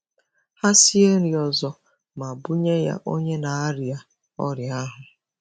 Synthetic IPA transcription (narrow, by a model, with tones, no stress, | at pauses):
ha˦si˦e˦ɾi˨ɔ˨zɔ˦ | ma˨bʊ˦ɲe˦ja̰˦ʔo˦ɲe˦na˨a˦ɾi˨a˨ | ɔ˦ɾja˦ɦʊ˨